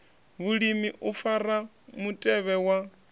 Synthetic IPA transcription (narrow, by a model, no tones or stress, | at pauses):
βuɺimiʔufara | mutʼɛβɛwa